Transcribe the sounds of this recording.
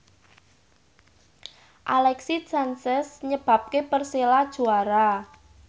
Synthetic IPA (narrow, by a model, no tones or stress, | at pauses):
ʔalɛksit͡ʃansɪsɲəb̥a̤p̚kepərselad̥ʒ̥uaɾa